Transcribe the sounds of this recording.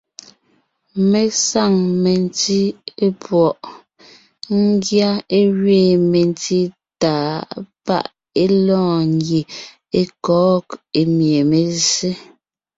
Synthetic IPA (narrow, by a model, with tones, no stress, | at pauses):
me˨sa˦˨ŋme˨nti˦e˦pwɔ˨ʔ | ŋ˦ɡja˦e˦ɣɥeː˦˨me˨nti˦ | taː˨˦pa̰˦˨ʔ | e˦lɔ̃ː˦˨ŋɡi˨ | e˦kɔː˦ke˨mje˨me˨ze˦